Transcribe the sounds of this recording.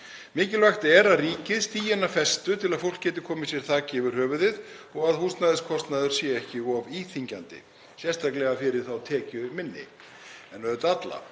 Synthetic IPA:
mɪːcɪlvaxt̪ɛɾaðriːcɪðst̪iːjanːafɛst̪ʏt̪ʰɪlaðfowlkcɛːt̪ɪkʰɔːmɪsjɛɾ̥t̪ʰaːcɪɛvɪɾ̥hœːvʏðɪðɔɣaðhuːst̪naðɪskʰɔst̪naðʏɾ̥sjɛɛhcɪɔviːθiɲcant̪ɪ̰ | sjɛst̪ʰaklɛɣafɪɾɪɾ̥θawt̪ʰɛːcʏmɪnːɪ̰ | ɛnœðʏt̪at̪la̰

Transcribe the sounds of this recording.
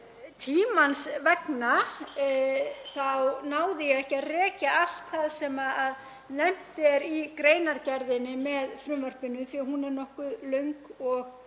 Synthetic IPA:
t̪ʰiːmansvɛkna | θawnaːwðɪjɛɣɛhcːɪarɛːcaal̥t̪θaðsɛmaað | nɛm̥t̪ɪɛɾikɾeːjnaɾcɛɾðɪnɪmɛðfɾʏmvœr̥pɪnʏθviaɦunɛɾnɔhkʏðlœɥŋkɔɣ

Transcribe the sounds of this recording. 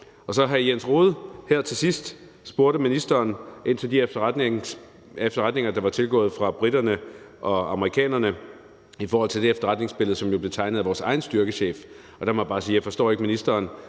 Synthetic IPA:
ɒ̽sɒ̽ɦæjensʁo̝ːð̞ˠhæɐ̰t͡sʰe̝sisd̥ | sb̥o̝ɐɾəminisd̥ɐːnʔe̝n̰t͡sʰed̥iefd̥ɐ | efd̥ɐʁad̥ne̝ŋɐd̥ɑ̈ʋɑ̈t͡sʰe̝lɡ̥ɔ̰̽ːð̞̩ˠfʁɑ̈b̥ʁid̥ɐnə | ʔɒ̽ɑ̈məʁikʰɛ̰ːnɐnə | ifɒɔːhɒ̽l̰t͡sʰe̝d̥eefd̥ɐʁɑd̥ne̝ŋsb̥e̝ləð̩ˠsɒ̽mjo̝b̥le̝t͡sʰɑ̈ɪnəð̩ˠæʋɒːsɑ̈ɪn̩sd̥yɐɡ̥əɕḛːf | ɒ̽d̥ɑmɑb̥ɑ̈ːsḭːjɑ̈ɪfɒsd̥ɔ̰ːe̝ɡ̥əminisd̥ɐːn

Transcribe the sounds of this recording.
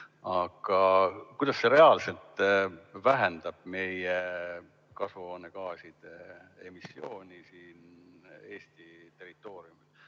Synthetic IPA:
ɑɡ̥ɑkujd̪ɑsːe̞ɾe̞ɑlse̞lt̪ˑvæɦɛnd̪̥ɑb̥me̞je | kɑsvonekɑːsid̪̥ee̞̰misːio̞ːnʲisiːne̞ːst̪it̪e̞rit̪ːˑo̞ːɾiumi

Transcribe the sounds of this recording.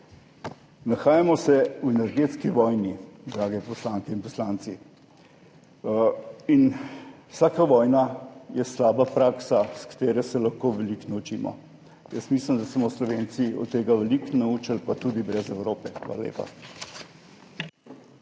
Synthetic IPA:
naxaːjamɔsɛuɛnɛɾɡet̪skiʋɔjnid̪ɾaːɡɛpɔslaŋkɛinpɔslaːnt̪si | inwsaːkaʋɔjnajɛslaːbapɾaːksaskḁt̪eːɾɛsɛlaxkoʋɛliknɐut͡ʃiːmɔ̰ | jəsmisləmd̪asmɔslɔʋent̪siɔ̰t̪ːeːɡaʋɛliknauːt͡ʃəlpat̪ud̪ibɾɛzɛwɾoːpɛxʋa̰la̰lḛːpa̰

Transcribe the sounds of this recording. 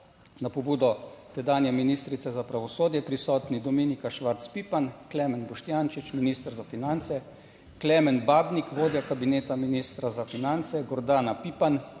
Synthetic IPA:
napɔbuːd̪ɔt̪ɛd̪aːnjɛminiːst̪ɾit̪sɛzapɾaʋɔsoːd̪jɛpɾisɔːt̪nid̪ɔminikaʃʋaɾt̪spipanklɛːmɛnbɔʃt̪jant͡ʃit͡ʃminiːst̪əɾzafinant̪sɛ | klɛːmɛnbaːbnikʋoːd̪jakabineːt̪aminiːst̪ɾazafinant̪sɛɡɔɾd̪aːnapipan

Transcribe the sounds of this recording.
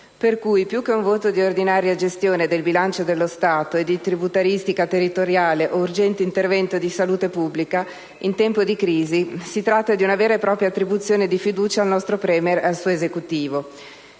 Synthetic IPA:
perkujpjukːeuɱvoːt̪od̪iord̪inaːɾjad͡ʒest̪joːned̪elbilant͡ʃod̪elːost̪aːt̪oed̪ːit̪ɾibut̪aɾist̪ikat̪erːit̪oɾjaːleʔourd͡ʒɛnt̪eint̪ervɛnt̪od̪isaluːt̪epubːlika | int̪ɛmpod̪ikɾiːzisit̪ɾat̪ːad̪iunaveːɾepɾɔːpɾjat̪ːɾibut̪sːjoːned̪ifid̪uːt͡ʃaːlnɔst̪ɾopɾɛːmeralsuːoezekut̪iːvo

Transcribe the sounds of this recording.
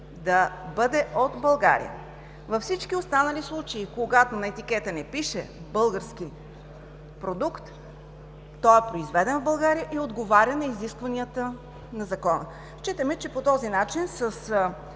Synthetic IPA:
d̪ɐbɤd̪ɛod̪bɐlˠɡa̰ɾḭjə̰ | vɐfsit͡ʃk̟iost̪anɐlislˠut͡ʃeikoɡat̪onɐɛt̪ikɛt̪ənɛpiʃɛ̰ | bɤlˠɡəɾsk̟i | pɾod̪ukt̪ː | ɔɛpɾoizvɛd̪ɛnvbɐlˠɡaɾijəʔiod̪ɡovaɾʲənɐiziskvɐniət̪ə | nɐzɐkɔnə | ʃt͡ʃit̪əmɛt͡ʃɛpot̪ɔzinat͡ʃinsəs

